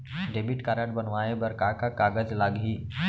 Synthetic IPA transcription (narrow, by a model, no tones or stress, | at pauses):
ɖebiʈkaːɾaʈbənʋaːebəɾkakakaːɡəzlaːɡɦiː